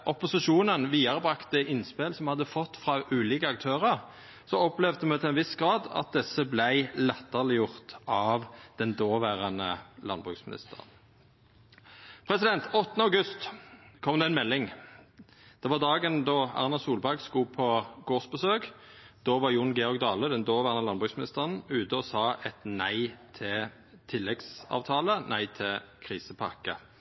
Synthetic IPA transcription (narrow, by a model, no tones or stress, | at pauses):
ʔɔpʊsɪʃuːnənʋiːɑʁəbʁɑkt̪̚d̪ɛʔɪnspelsɔmhɑd̪ːəfɔt̪ːfʁɑʔʉːliːkəɑk̚t̪ʰøːʁəʁ | sɔɔplɛʋd̪əmɛt̪ʰɪlɛnʋɪsɡ̥ʁɑːd̪ɑ̰t̪̚d̪ɛsəblæɪlɛt̪ːəʁlɪjʊʁt̪ɑʋd̪̥ɛnd̪oːʋæːʁɑnə̰lɑ̰nbʁʉ̰ksmɪnɪ̰st̪ə̰ʁə̰n | pʰʁɛsɪd̪ɛnt̪ɔt̪ːənəɑʊɡʉst̪kʰɔmd̪ɛɛnmɛlːɪŋ | d̪̥ɛʋɑʁd̪ɑːɡənd̪oːɑ̰ʁnɑsuːlbæʁɡskuːpʰɔɡ̥oːʁsbəsøːkd̪̥oːʋɑʁjʊnɡɛɔʁɡd̪ɑːləd̪ɛnd̪oːʋæːʁɑnəlɑnbʁʉksmɪnɪst̪əʁənʉːt̪əɔsɑːʔɛt̪næɪt̪ʰɪ | t̪ʰɪlːɛɡsɑ̰ːʋt̪ʰɑːlənʔæɪt̪ʰɪlkʰʁiːsəpʰɑkə̰